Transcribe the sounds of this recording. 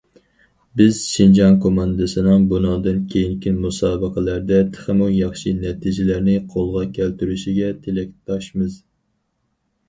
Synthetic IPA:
bɪz̥ʃind͡ʒɑnkʰomɑnd̪ɨsɨnɨŋbunɑːd̪ɨnkʲʰejiŋkʲʰinmusɑːbəqʰəlæɾd̪ɛt̪ʰə̥χɨmujɑχʃinɛt̪ʰid͡ʒɪlæɾnɪqʰolˠʁɑkʲʰælt̪yɾyʃiɡʲɛt̪ʰelɛk̚ʲt̪ʰɑʃmɨz

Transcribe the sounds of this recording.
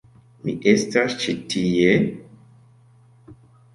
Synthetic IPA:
mḭʔe̞stast͡ʃitie

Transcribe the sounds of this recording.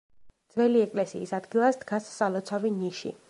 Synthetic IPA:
d̪z̥vɛliɛkʼlɛsiːsad̪ɡilˠasd̪ɡasːalˠɔt̪sʰaviniʃḭ

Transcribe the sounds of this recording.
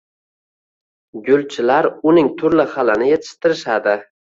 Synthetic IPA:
ɡʊlˠt͡ʃʰɪlaɾʊnɪŋt̪ʰʊɾlɪχalɪnɪjet̪ʰɪ̥ʃt̪ɪɾɪʃad̪ɪ

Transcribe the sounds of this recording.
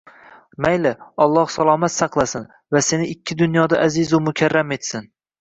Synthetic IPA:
majlɪɒlˠːɒhsalˠɒːmat̪sɑqlˠasɪn | vase̞nɪɪkʲʰːɪd̪ʊnjɒd̪aʔazɪzʊmʊkʲʰaɾːame̞t̪sɪn

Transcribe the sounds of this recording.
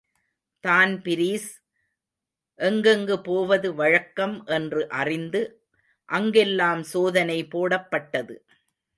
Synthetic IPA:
t̪aːnpɪɾiːs | ʔɛŋɡɐŋɡɯpoːʋɐðɯʋɐɻɐkːɐmʔɛndrɯʔɐrɪnd̪ɯ | ʔɐŋɡɛlːaːmsoːðɐnɐɪpoːɽɐpːɐʈːɐðɯ̰

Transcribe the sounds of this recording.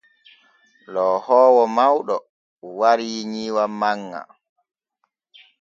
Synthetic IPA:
lɔhɔːwɔmawɗɔ | waɾiɲiːwamaŋːa̰

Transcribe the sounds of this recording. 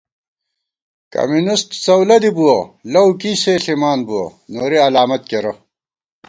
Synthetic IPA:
kɐ̰munisʈsɐwlɐd̪ibuɐlɐwkiːseːɬimaːnbuwɐ̰noːɾiɐlaːmɐt̪̚keɾɐ

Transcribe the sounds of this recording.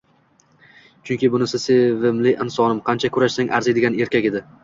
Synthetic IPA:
t͡ʃʰʊŋkʲɪbʊnɪsɪevɪmlɪʔɪnsɒnɪmqʰɑnt͡ʃʰakʰʊɾaʃsaŋʔa̰ɾzɪd̪ɪɡʲane̞ɾkʲakʲe̞d̪ɪ

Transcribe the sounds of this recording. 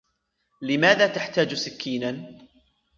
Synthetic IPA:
lɪmaːðaːt̪aħt̪aːd͡ʒsɪkʰːiːna

